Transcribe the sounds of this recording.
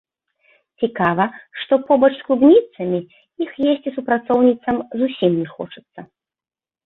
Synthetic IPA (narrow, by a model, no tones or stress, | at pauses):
t͡sʲikavɐʂt̪ɔpɔbɐt͡ʂsklˠubnʲit̪sɐmʲi | ixjesʲt͡sʲisupɾat̪sɔwnʲit̪sɐmzusʲimnʲɛxɔ̰t͡ʂɨ̥t̪sːɐ